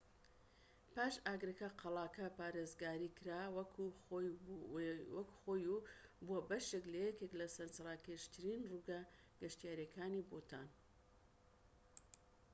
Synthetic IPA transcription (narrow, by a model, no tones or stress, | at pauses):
paːʃaːɡɾɐkɐqʰɑlˠaːkɐpaːɾeːzɡaːɾiːkʰɨɾaːwɐkʰuo | wɐkuxoːjubuɐbɐʃeklɐjɛkeklɐsɐnsraːkeʃt̪ʰɨɾinruɡa | ɡ̥ɐʃt̪ijaːɾiɐkʰaːniboːt̪ʰa̰ːn